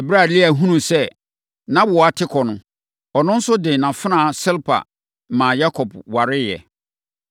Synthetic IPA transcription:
ɛ˨bɾa˦˨lɪ˦æ˨ɦũ˦nũ˨sɛ˦ | nã˦ba˦tʰɪ˦kʰɔ˨nʊ̃˨ | ɔ˨nʊ̃˦n̩˦sʊ˦dɪ˨nã˨fɪ˦nã˦˨sɪ˦lpʰa̰˨ | mã˨ja˦kʰɔ˨b̚wa˨ɾɪ˦jɛ̰˨

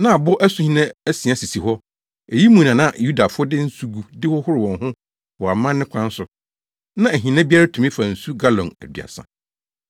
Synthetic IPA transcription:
nã˦a˨bʊ˦ʔæ˦su˦hĩ˦nã˦æ˦sĩ˨ã˦si˨si˨ɦɔ˦ | e˨ji˦mũ˨nã˨nã˦˨ju˦da˨fʊ˦ɔ˦dɪ˦n̩˦su˦ɡu˨dɪ˦wɔ˦hʊ˦ɾɪ˨wɔ̃˨nhʊ̃˦ | wɔ˨a˨mã˦nː˦ɪ̃˦kʷʰã˦n˦sʊ˨ | nã˦æ˨ɦĩ˨nã˦bi˦a˦ɾa˦tʰu˨mɪ̃˦fa˨n̩˨su˦ɡa˦lɔ̃˨næ̰˨dɥ̰a̰˨sã̰˦

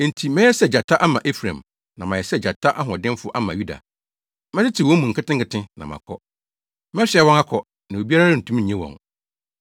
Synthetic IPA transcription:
n̩˨tʰi˨mɛ̃˦ɛ˦sɛ˦˨d͡ʑa˨tʰa˦ʔa˦mã˨ʔe˦fɾã̰˨m | nã˨mã˨jɛ˨sɛ˦˨d͡ʑa˨tʰa˦ʔa˦ɦɔ̃˨dɪ̃˦m˦fʊ˦ʔa˦mã˨ju˦da̰˨ | mɛ˦ɪ˦tʰi˨wɔ̃˦mũ˨ŋ̩˨kʰɪ˦tɪ̃˦ŋkɪ˨tɪ̃˦nã̰˨mã̰˨kʰɔ˦ | mɛ̃˦ɕɪ˨˦˨ɛ˦wɔ̃˦ŋa˦kʰɔ˨ | nã˨o˨bi˦a˦ɾa˦n̩˨tʰũ˦ɲ̩˨ɛ̃˦wɔ̰̃˨ŋ

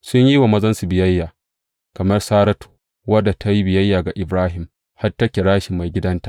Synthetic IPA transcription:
sʊ˦ɲji˦wa˨mɐ˦zɐ˦nsu˨bɪ˨jɐ˦jːaː˨ | kɐ˨mɐ˦rsaː˦ɾɐ˦tʰu̥ː˨ | wɐ˦dːa˨tʰa˦ji˦bɪ˨jɐ˦jːaː˨ɡa˨ʔɪ˨bɾaː˦ɦɪ˨m | ha˦rtɐ˦kʲe˨ɽaː˦ʃɪ˨mːa˨jɡʲɪ˦dɐ˦ntḁ˨

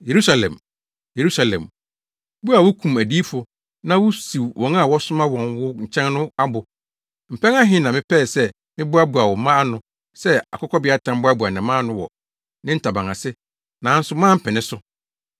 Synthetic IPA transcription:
je˨ɾu˦sa˦lɛ̰̃˨m | je˨ɾu˦sa˨lɛ̰̃˨m | bu˦a˨wʊ˦kʰũ˨mæ˨di˦fʊ˨ | nã˦wʊ˦si˨wwɔ̃˨n˦a˦˨wɔ˦sʊ˦mã˦wɔ̃˨nwʊ˦ɲ̩˨t͡ɕʰɛ̃˦nnʊ̃˦a˦bʊ˨ | m̩˨pʰɛ̃˦ŋa˦ɦɪ̃˦nã˨mɪ̃˦pʰɛ˦˨sɛ˦ | mɪ̃˦bʊ˦a˦bu˨a˨wɔ˨˦mã˦a˦nʊ̃˦ | sɛ˦a̰˨kʰɔ˦kʰɔ˦bɪ˦a˦tʰã˦m˦bʊ˦a˦bu˨a˨nɛ̃˨mãː˦nʊ̃˦wɔ˨ | nɪ̃˦n̩˦tʰa˨bã˨ŋã˨sɪ˦ | nã˨˦n̩˦sʊ˦mãː˦m̩˨pʰɛ̃˨nɪ̃˦sʊ˦

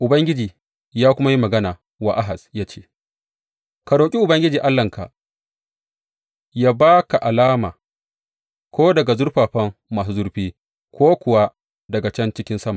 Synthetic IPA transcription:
ʔʊ˨bɐ˦ŋɡʲɪ˦d͡ʒiː˨ | jaː˦kʷʊ˦ma˦ji˦mɐ˨ɡɐ˦naː˨ | wa˨ʔa˦ɦa˨sjaː˦t͡ʃe̥ː˦ | ka˨ɽoː˨kʲʼi˦ʔʊ˨bɐ˦ŋɡʲɪ˦d͡ʒiː˨ʔa˦lːɐ˨ŋka˨ʔ | jaː˦baː˦ka˨ʔa˨laː˦maː˨ | kʷoː˦dɐ˨ɡa˨zʊ˦ɾɸaː˨ɸɐ˦mːaː˨su˨zʊ˦ɾɸiː˦ | kʷoː˦kʷʊ˨wa˦ | dɐ˨ɡa˨t͡ʃɐ˦nt͡ʃɪ˦kʲɪ˦nsɐ˦ma˨

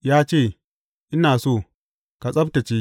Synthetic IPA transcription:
jaː˦t͡ʃeː˦˨ | ʔɪ˦naː˨soː˦˨ | ka˨sʼɐ˦b̚ta˨t͡ʃi˦

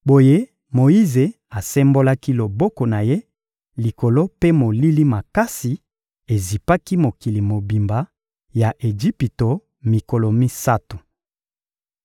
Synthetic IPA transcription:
bo˨je˦ | mo˨i˦ze˨ | a˨sɛ˦mbo˦la˦ki˦lo˨bɔ˦ko˨na˨je˦ | li˨ko˨lo˦pe˦mo˨li˦li˦ma˨ka˦si˨ | e˨zi˨pa˦ki˦mo˨ki˨li˨mo˨bi˨mba˨ | ja˨ʔe˨d͡ʒi˦pi˨to˨ | mi˨ko˨lo˨mi˦sa˦tu˨

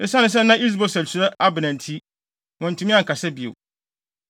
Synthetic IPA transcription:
ɪ˨sã˦nɪ̃˦s̬ɛ˦nã˦ʔi˦s̬bɔ˨sɛ˨lsu˨ɾɛ˦a˦bɪ˨nɛ̃˨ntʰi˦ | wɔ̃˨n̩˨tʰũ˨˦mĩ˦ã˦˨ŋ̩˨kʰa˨sɛ˦bi˨o̰˨

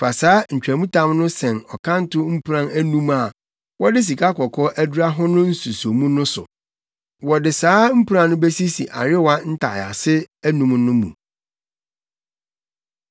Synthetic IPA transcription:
fa˨saː˦ɲ̩˨t͡ɕᶣɾæ˨mũ˦tʰã˦mnʊ̃˦sɛ̃˨nɔ˨kʰã˦n˦tʰʊ˦m̩˦pʰu˨ɾã˦næ˦nũ˦ma˨ | wɔ˦dɪ˦s̬i˨kʰa˦kʰɔ˨kʰɔ˦ʔæ˦du˦ɾa˦ɦʊ˦nʊ̃˦n̩˦su˨so˨mũ˦nʊ̃˦sʊ̰˨ | wɔ˨dɪ˨saː˦m̩˦pu˦ɾã˨nʊ̃˦be˦si˦si˨ʔa˨ɾɪ˦wa˦n̩˦tʰa̰˨ja̰˨sɪ˦æ˦nũ˨mnʊ̃˦mṵ̃˨

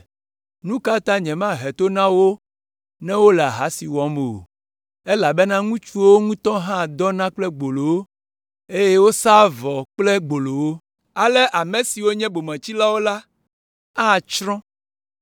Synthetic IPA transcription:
nũ˦ka˦t̪ã˦ɲɛ̃˨mã˦˨ɦɛ˨t̪o˦nã˦wo˦ | nɛ̃˦wo˦lɛ˨a˨ɦa˨˦si˨wɔ˨˦me˨o̰˨ | e˦la˨be˦nã˦ŋũ˦t͡ʃu˦wo˦ŋũ˦t̪ɔ̃˦ɦã˦˨d̪ɔ˦nã˦k͡plɛ˦ɡ͡bo˨lo˨wo˦ | e˦jɛ˦wo˦sa˦vɔ˨k͡ple˦ɡ͡bo˨lo˨wo˦ | a˨lɛ˦ʔa˨mẽ˨si˨wo˦ɲɛ̃˦bo˨mɛ̃˨t͡ɕi˦la˦wo˦la˦ | a˦˨t͡ʃɾɔ̃˦

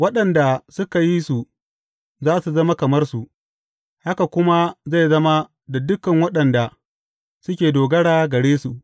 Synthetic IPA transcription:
wɐ˦ɗɐ˨nda˨sʊ˦ka˨ji˦su˨ | zaː˦su˨zɐ˦ma˦kɐ˨mɐ˦rsu˨ʔ | ha˦ka˨kʷʊ˦ma˦za˦˨jzɐ˦ma˦ | da˨dʊ˦kɐ˨ŋwɐ˦ɗɐ˨nda˨ | sʊ˦kʲeː˨doː˨ɡɐ˦ɽaː˨ɡɐ˨ɽeː˦su˨ʔ

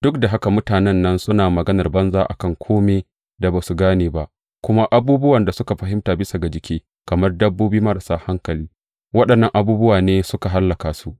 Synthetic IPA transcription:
d̥ʊ˦k̚da˨ɦa˦ka˨mʊ˦taː˨nɛ˦nːɐ˦nsʊ˦naː˨mɐ˨ɡɐ˦nɐ˨rbɐ˦nzaː˦ʔa̰˨kɐ˦˨ŋkʷʰoː˦meː˨ | da˨baː˨su˨ɡaː˦neː˨ba˦ʔ | kʷʊ˦ma˦ʔa˦buː˦bʊ˦wɐ˨nda˨sʊ˦ka˨ɸɐ˨ɦɪ˦mtaː˨bɪ˦sa˨ɡa˨d͡ʒɪ˨kʲeː˦ | kɐ˨mɐ˦rdɐ˦bːoː˦biː˦mɐ˦ɾɐ˨saː˦ha˦ŋkɐ˨liː˦ | wɐ˦ɗɐ˨nːɐ˨ŋʔa˨buː˦bʊ˦waː˨neː˦sʊ˦ka˨ɦa˦lːɐ˨kaː˨su˦ʔ

